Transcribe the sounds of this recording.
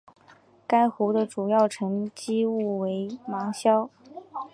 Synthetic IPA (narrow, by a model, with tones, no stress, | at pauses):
ka˥ɪxu˧˥d̪ə˧˨ʈ͡ʂu˨˩jɑ˥˩ʊʈ͡ʂʰɤ˧˥ŋt͡ɕi˥u˥˩we˧˥ɪmɑ˧˥ŋɕjɑ˥ʊ